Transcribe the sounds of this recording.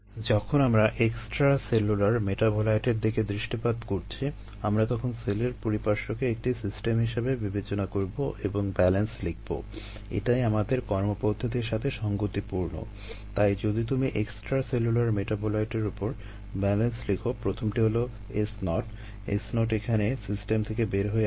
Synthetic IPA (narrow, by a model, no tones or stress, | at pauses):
d͡ʑɔkʰonamɾaʔeksʈɾaselulaɾmeʈabolajʈeɾd̪iked̪ɾiʃʈipad̪koɾt͡ɕʰi | amɾat̪ɔkʰonseleɾpoɾipaɾʃokeek̚ʈisisʈemɦiʃebebibet͡ɕonakoɾboʔeboŋbɛlenslik̚ʰbo̰ | ḛʈajamad̪eɾkɔɾmopod̪ʱːot̪eɾʃat̪ʰeʃɔŋɡot̪ipuɾno̰ | t̪ajd͡ʑod̪it̪umiʔeksʈɾaselulaɾmeʈabolajʈeɾupoɾ | bɛlenslikʰopɾot̪ʰomʈiɦolo | esnɔʈ | ḛsnɔʈekʰanesisʈemt̪ʰekebeɾɦoe